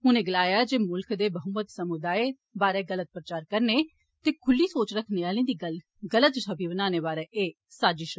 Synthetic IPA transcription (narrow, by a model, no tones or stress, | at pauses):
ɦʊnẽːɡəlaːjaːd͡ʒeːmʊlkd̪eːbəɦʊmət̪səmʊd̪aːe | baːɾeːɡələt̪̚pɾət͡ʃaːɾkəɾneː | t̪eːkʰʊlːiːsoːt͡ʃɾəkʰneaːlĩːd̪iːɡə | ɡələt̪ʃʰəbʱiːbənaːneːbaːɾeːʔeː | saːd͡ʒɪʃ